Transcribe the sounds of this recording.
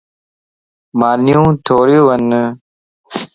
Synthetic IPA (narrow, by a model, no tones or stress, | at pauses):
maːnijũːt̪ʰoːɾjuʋɐn